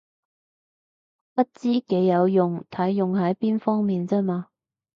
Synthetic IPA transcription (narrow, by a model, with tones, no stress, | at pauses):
pɐ˥t̚t͡siː˥ke˨˥jːɐ˨˧wjʊ˨ŋt̪ʰɐ˨˥jːʊ˨ŋɦɐ˨˥jpiː˥nfɔː˥ŋmiː˨nt͡sɛː˥maː˧